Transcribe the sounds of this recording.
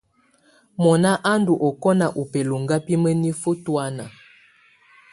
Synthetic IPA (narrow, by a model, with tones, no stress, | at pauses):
mɔ˨na˦ʔa˦ndu˨ʔɔ˨kɔ˦na˨ʔu˨pe˨lo˨ŋɡa˦pi˦mə˦ni˦fo˦twa˦na̰˨